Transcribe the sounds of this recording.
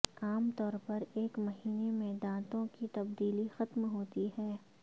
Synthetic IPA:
aːmt̪ɔːɾpɐɾeːkmɐɦiːnemẽd̪ãːt̪õkit̪ɐbd̪iːlixɐt̪mɦoːt̪iɦɛː

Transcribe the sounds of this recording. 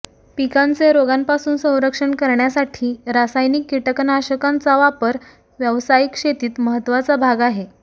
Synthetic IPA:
pikant͡seɾoɡanpasuːnsə̃w̃ɾəkʂəɳkəɾɳjasaʈʰiːɾasajnikːiʈəknaɕəkant͡saʋapəɾ | ʋjəʋsajikʂet̪iːt̪məɦət̪ːʋat͡sabʱaɡaɦe

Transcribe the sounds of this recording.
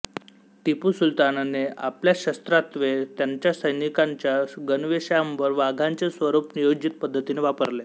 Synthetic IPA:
t̪ipusult̪ananea̰pljaɕəst̪ɾat̪ʋet̪jaɲt͡ɕjasəjnikaɲt͡ɕjaɡənʋeɕjambəɾʋaɡʱaɲt͡ɕesʋəɾupnijod͡ʑit̪̚pəd̪ʱːət̪ineʋapəɾle

